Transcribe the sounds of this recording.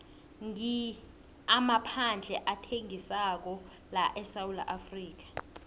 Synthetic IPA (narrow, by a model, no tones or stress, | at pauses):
ŋi | amapʰand͡ɮʱɛʔatʰeŋisak̬ɔ | laʔɛsawula̰ʔafriːk̬ḁ